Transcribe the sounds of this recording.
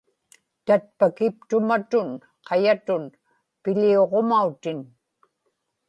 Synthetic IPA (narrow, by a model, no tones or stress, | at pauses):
t̪at̪̚pakɪp̚t̪ʊmat̪ʊn | qʰɑjat̪ʊn | pɪʎioʁomaut̪ɪn